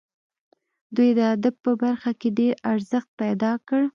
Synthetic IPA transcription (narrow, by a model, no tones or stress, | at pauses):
d̪ujd̪əad̪abpəbaɾxakeɖeɾaɾzəxt̪̚pajd̪ɑkəɽ